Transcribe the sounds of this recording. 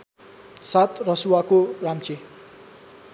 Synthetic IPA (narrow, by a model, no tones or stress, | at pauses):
sat̪rʌsuwakoramt͡se